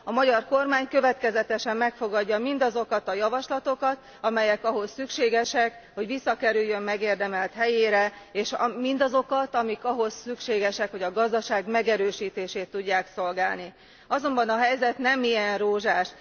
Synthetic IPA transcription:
ɒmɒɟɒrko̞rmaːɲkø̞vɛt̪kɛzɛt̪ɛʃɛmːɛkfo̞ɡɒɟːɒmind̪ɒzo̞kɒt̪ɒjɒvɒʃlɒt̪o̞kɒt̪ | ɒmɛjɛkɒɦo̞sːykʃeːɡɛʃɛk | ho̞ɟʋisːɒkɛɾyjːø̞mːmɛɡeːrd̪ɛmɛlt̪hɛjeːɾɛ | eːʃmind̪ɒzo̞kɒt̪ɒmikɒɦo̞sːykʃeːɡɛʃɛkho̞ɟɒɡɒzd̪ɒʃaːɡmɛɡɛɾøːʃiːt̪eːʃeːt̪ːuɟːaːkso̞lɡaːlni | ɒzo̞mbɒnɒɦɛjzɛt̪nɛmijɛnroːʒaːʃ

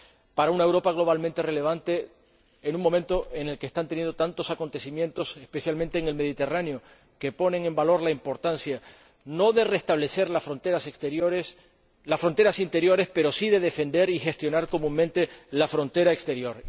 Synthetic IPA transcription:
paɾaunae̞wɾo̞paɣ̞lo̞βalmẽnt̪e̞re̞le̞β̞ant̪e̞ː | nũŋmːo̞mẽnt̪o̞ʔe̞ne̞lkest̪ant̪enje̞nd̪ot̪ant̪o̞sako̞nt̪e̞simje̞nt̪o̞sespe̞sjalmẽnt̪eːŋe̞lme̞ðit̪e̞ranjo | ke̞po̞ne̞ŋẽ̞mbalo̞ɾlaimpo̞ɾt̪ansja | no̞ðe̞re̞st̪aβ̞le̞se̞ɾlafɾont̪eɾast̪eoɾs | lasfɾo̞nt̪e̞ɾasint̪e̞ɾjo̞ɾe̞spe̞ɾo̞siðe̞ðe̞fe̞nd̪e̞ɾixe̞st̪jo̞naɾko̞mũŋmẽnt̪e̞lafɾo̞nt̪e̞ɾaekst̪e̞ɾjo̞ɾ

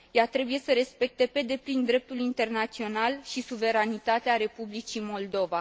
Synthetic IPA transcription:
jat̪ɾe̞buje̞səɾe̞spe̞k̚t̪e̞pe̞d̪e̞plind̪ɾe̞p̚t̪ulint̪e̞rnat̪sio̞nalʃisuve̞ɾanit̪at̪eaɾe̞publit͡ʃimo̞ld̪o̞va

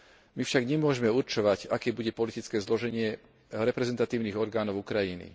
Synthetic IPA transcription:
mifʃaɡɲɛmʊɔʒɛmɛuɾt͡ʃɔʋaɟakɛːbuɟɛpɔlit̪it͡skɛːzlɔʒɛɲɪɛ | ɾɛpɾɛzɛnt̪at̪iːʊniːɣɔɾɡaːnɔʊukɾajinḭ

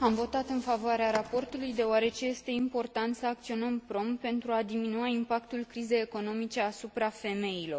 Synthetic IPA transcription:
amvo̞t̪at̪ɨnfavoaɾeaɾapo̞rt̪ulujd̪e̞oaɾe̞t͡ʃe̞je̞st̪e̞impo̞rt̪ant̪səak̚t̪sio̞nəmpɾo̞mpe̞nt̪ɾuad̪iminuaimpakt̪ulkɾize̞je̞ko̞no̞mit͡ʃe̞asupɾafe̞me̞jilo̞r

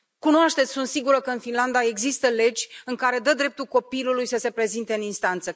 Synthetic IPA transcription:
kunoaʃt̪et̪sʲsunt̪siɡuɾəkəɨnfinland̪ae̞ɡzist̪əle̞d͡ʒʲɨŋkaɾe̞d̪əd̪ɾe̞p̚t̪ulko̞pilulujsəse̞pɾe̞zint̪e̞ɨninst̪ant̪sə

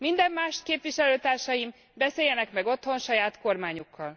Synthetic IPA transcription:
mind̪ɛmːaːʃt̪keːpʋiʃɛløːt̪aːrʃɒjim | bɛseːjɛnɛkmɛɡo̞t̪ho̞nʃɒjaːt̪ko̞rmaːɲukːɒl

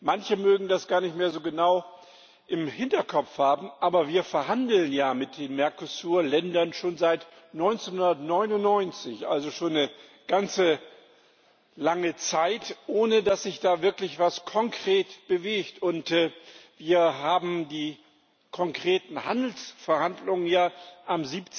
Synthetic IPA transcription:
mançəmøːɡŋ̩dasɡ̥aːɐnɪçtmeːɐzoːɡənaʊ | ʔɪmhɪntɐkʰɔfhaːbm̩ʔaːbɐviːɐfɛɐhɦandl̩njaːmɪt̚d̥eːnmɛɐkosuːɐlɛndɐnʃoːnzaɪt | nɔʏnt͡senhʊndɐtnɔʏnʊnnɔʏnt͡sɪçʔa̰lzoʃoːnːə | ɡ̥ant͡sə | laŋət͡saɪtʔoːnədasz̥ɪçd̥aːvɪɐklɪçv̥askʰɔŋkʁ̥eːtb̥əveːçtʊntːviːɐɦaːbm̩diː | kʰɔŋkʁ̥eːtn̩ha̰ndl̩sfɛɐhandlʊŋənjaːʔamziːpt͡s

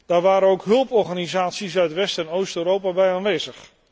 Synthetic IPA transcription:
d̥aːɹʋaːɾənowkɦɵlˠpɔɹχanizaːtsisœɥtʋɛstɛnowstøːɾowpabɛjaːnʋejzəχ

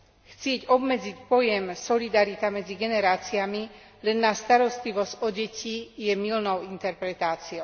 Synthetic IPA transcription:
xt͡sɪɛɟɔbmɛd͡zicpɔjɛmsɔlid̪aɾit̪amɛd͡ziɡɛnɛɾaːt͡siami | lɛnːast̪aɾɔst̪liʋɔzcɔɟɛcʰijɛmilnɔʊint̪ɛɾpɾɛt̪aːt͡siɔʊ

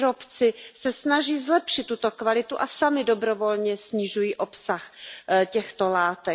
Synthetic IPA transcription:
ɾo̞pt͡sɪsɛsnaʒiːzlɛpʃɪt̪ːut̪o̞kvalɪt̪uʔasamɪdo̞bɾo̞vo̞lɲɛsɲɪʒujiːʔo̞psaxcɛxt̪o̞laːt̪ɛ

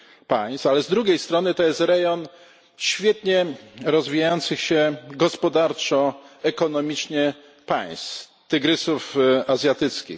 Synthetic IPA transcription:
paj̃st̪alɛzd̪ɾuɡʲejst̪ɾɔnɘt̪ɔjɛst̪ɾɛjɔn | ɕfʲjɛt̪ɲɛɾɔzvʲijajɔnt̪sɘxɕɛɡɔspɔd̪aɾt͡ʂɔɛkɔnɔmʲit͡ʂɲɛ | pa̰j̃st̪ | t̪ɘɡɾɘsufazʲjat̪ɘt̪skʲḭx

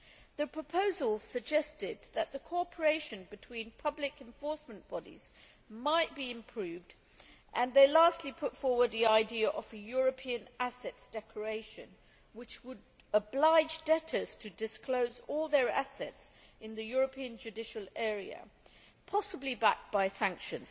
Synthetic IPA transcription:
ðɨpʰɹ̥əpʰoʊzəlˠsɨɡ̚d͡ʒɛstɪd̪̚ðəʔ̪̚ðəkʰɔpʰə˞eɪʃɨ̃nbɨtʰw̥ĩnpʰʌblɨkɛ̃ɱfɔɹsmə̃nb̥ɑɾḭz̥ | maɪt̚b̥iɨ̃mpʰɹ̥ʉvd | ʔə̃nðeɪlæˑstʰˡlipʰʊtfɔɹwə˞d̪̚ðiaɪdiəʔəv̥ɨjʊɹɨpʰiɨ̃nʔæsɛtsd̥ɛkʰə˞eɪʃɨ̰̃n | wɨt͡ʃwəɾ | əblaɪd͡ʒdɛɾəz̥tʰɨdɨskloʊzɔlˠðə˞æ̰sɛ̰tsɨ̃nðɨjʊɹɨpʰĩɨ̃nd͡ʒɨdɪʃəl̩ˠɛɹiɨ̰ | pʰɑsəblibæ̰k̚b̥aɪsæ̃ŋkʃɨ̃nz̥

